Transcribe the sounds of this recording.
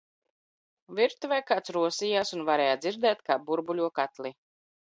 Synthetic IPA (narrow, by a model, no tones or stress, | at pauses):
viɾt̪uvɛjkaːt̪sɾuɔsiːjaːsunvaɾɛːjad̪ziɾd̪ɛːt̪kaːbuɾbulʲuɔkat̪lˠi